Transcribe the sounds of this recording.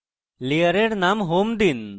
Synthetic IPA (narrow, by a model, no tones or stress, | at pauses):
lijəɾeɖnamɦomd̪in